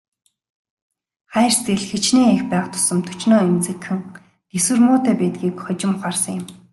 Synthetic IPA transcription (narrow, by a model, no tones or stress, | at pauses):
χæːr̥st̪ĕɮxĕt͡ɕneːexpæːχt̪ʰʊ̥sə̆mt̪ʰɵ̥t͡ɕnɔːemt͡sɘ̆kxɘ̆ŋ | t̪eswɘ̆rmʊːt̪eːpæːt̪̚ɡiːkχɔt͡ɕɪ̆mχarsə̆ŋjʊ̆m